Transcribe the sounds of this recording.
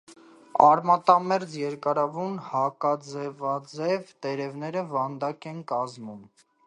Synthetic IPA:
ɑɾmɑt̪ɑmɛɾd͡zjɛɾkɑɾɑvunhɑkɑd͡zɛvɑd͡zɛvt̪ɛɾɛvnɛɾəvɑnd̪ɑkɛnkɑzmum

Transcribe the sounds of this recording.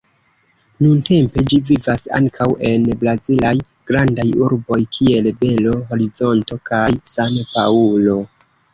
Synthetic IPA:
nunte̞mpe̞d͡ʒivivasa̰ŋkʰawe̞nbɾazilaj | ɡ̥ɾandajuɾbo̞jkʰie̞lbe̞lo̞ɦo̞ɾizo̞nto̞kajsanpaulo̞

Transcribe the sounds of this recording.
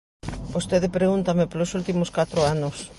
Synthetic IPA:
bost̪eðepɾeɣunt̪ɐmepolosult̪imoskat̪ɾoanos

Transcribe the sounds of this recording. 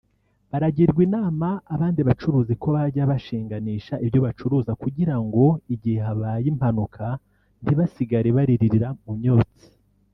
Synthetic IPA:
βaɾaɟiɾɡwiːnaːmaːβaːndiβat͡ʃuɾuːziko̞βaɾɟaβaʃiːŋɡaniːʃaʔivjo̞βat͡ʃuɾuːzakuɟiɾaŋɡo̞iɟiheɦaβajim̥hanukʰa | ndiβasiɡaɾeβaɾiɾiɾiɾamumɲo̞ːt͡si̥

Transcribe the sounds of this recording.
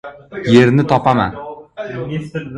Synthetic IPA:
je̞ɾnɪt̪ʰɒpama̰n

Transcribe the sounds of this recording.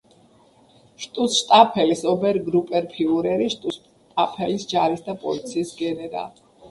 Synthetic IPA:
ʃt̪ʼusʃt̪ʼapʰɛlisɔbɛɾɡɾupʼɛɾpʰiuɾɛɾiʃt̪ʼus | t̪ʼapʰɛlisd͡ʒaɾisd̪apʼɔ̰lit̪sʰiːsɡɛnɛɾa̰l

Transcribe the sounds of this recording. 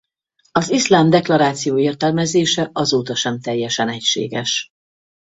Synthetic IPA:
ɒzislaːmd̪ɛklɒɾaːt̪sijoːeːrt̪ɛlmɛzeːʃɛɒzoːt̪ɒʃɛmt̪ɛjːɛʃɛnɛcʃḛːɡɛʃ

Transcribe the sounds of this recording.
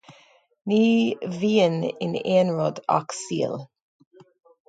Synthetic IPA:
niːviːənɪ̰neːnɹɔd̪a̰ksḭːəl

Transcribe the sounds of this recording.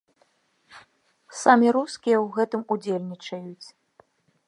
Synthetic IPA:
samʲiɾuskʲijɛwɣɛt̪ɨmud͡zʲelʲnʲit͡ʂɐjut͡sʲ

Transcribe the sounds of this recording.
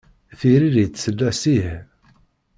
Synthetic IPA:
θiɾiðjt͡sːsəlːæsih

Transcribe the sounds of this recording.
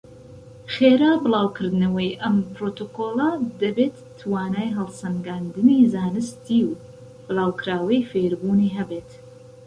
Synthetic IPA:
xeːɾaːbɨlˠaːwkʰɨɾd̪nɐwɐjʔɐmpɾoːt̪oːkoːlˠɐd̪ɐbet̪ːʰwaːnaːjɦɐlˠsɐŋɡaːnd̪ɨniːzaːnɨst̪iːw | b̥ɨlaːwkɾaːwɐjfeɾbuːniːɦɐbeːt̪

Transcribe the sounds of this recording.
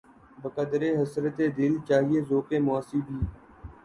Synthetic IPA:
bəkəd̪ɾeːɦəsɾət̪eːd̪ɪlt͡ʃaːɦieːzoːkeːmʊaːsiːbʱiː

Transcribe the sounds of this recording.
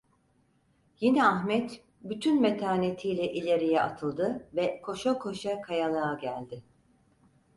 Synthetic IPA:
jinɛaxmɛt̪ | byt̪ʰynmet̪ʰaːnet̪ʰijlʲɛʔilʲeɾijɛa̰t̪ʰɯlˠd̪ɯvɛkʰo̞ʃakʰo̞ʃakʰajanˠaːɟælʲd̪ɪ

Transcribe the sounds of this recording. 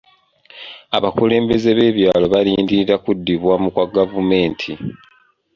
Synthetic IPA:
aβakuleːmbe̞ze̞βe̞ːβjaːlo̞βaliːndiɾakudːiβwamukwaɡavume̞ːntʰi

